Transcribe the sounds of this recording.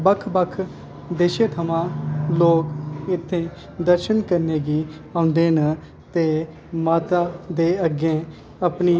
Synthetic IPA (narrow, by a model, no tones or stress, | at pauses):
bəkʰbəkʰ | d̪eːʃeːt̪ʰəmãːloːkɪt̪ʰːẽː | d̪əɾʃənkəɾneːɡiːãːʊnd̪eːnə | t̪eː | maːt̪aːd̪eːəɡẽː | əpniː